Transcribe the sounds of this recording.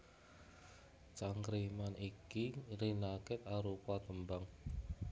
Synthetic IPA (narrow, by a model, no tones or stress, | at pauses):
t͡ʃaŋkɾimanikiɾinakɪt̪aɾupat̪əmbaŋ